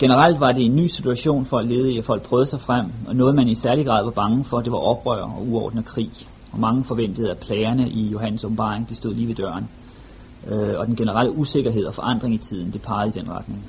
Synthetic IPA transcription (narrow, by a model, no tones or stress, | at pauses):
ɡ̥e̝nəʁal̰d̥ʋɑ̈de̝e̝nːy̰ːsit͡sʰuæɕo̝̰ːnfɒ̽æle̝ːð̞̩ˠiɒfɒ̽l̰ɡ̥̚pʰʁœːðˠəsɑ̈ɪfʁam̰ɒ̽nɔ̽ːð̞̩ˠmænisæɐliɡ̥ʁɑ̈ðˠʋɑ̈b̥ɑ̈ŋəfɒ̽d̥e̝ʋɑ̈ʔɒ̽b̥ʁœ̰ɐ̰ɒ̽uɒːd̥nəkʰʁḭː | ɒ̽mɑ̈ŋəfɒ̽ʋen̰d̥əð̞̩ˠæpʰlɛːɪɐnəʔijo̝ɦæn̰nsob̥m̩b̥ɑ̈ːʁe̝ŋd̥isd̥o̝ð̰ˠliːʋe̝d̥ɶɐ̰n | ɒ̽d̥enɡ̥e̝nəʁal̰əʔuse̝ɡ̥ɐɦe̝ð̞̰ˠɒfɒ̽ʔɑ̈n̰d̥ʁeŋit͡sʰið̞̰ˠn̩d̥epʰɑ̈ːð̩ˠid̥enʁɑd̥ne̝ŋ